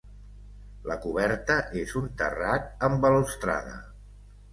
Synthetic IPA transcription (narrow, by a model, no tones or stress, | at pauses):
ləkuβɛɾt̪əʔezunt̪ə̰rat̪̚əmbəlust̪ɾa̰ðə̰